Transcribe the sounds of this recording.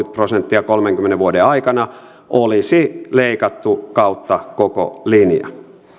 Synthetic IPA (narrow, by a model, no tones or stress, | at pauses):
yt̪̚prosent̪ːiɑkolmeŋkymːeneʋuodeɑikɑnɑ | ʔolisileikɑt̪ːukɑut̪ːɑkoko̰linjɑ̰